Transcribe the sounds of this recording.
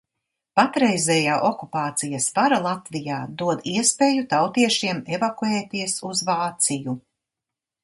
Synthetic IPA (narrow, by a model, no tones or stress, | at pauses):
pat̪ɾɛjzɛjaːʔɔkupaːt̪sijɐsvaɾalˠat̪vijaːd̪uɔd̪iɛspeːjut̪awt̪iɛʃiɛmevakueːt̪iɛsuzvaːt̪siju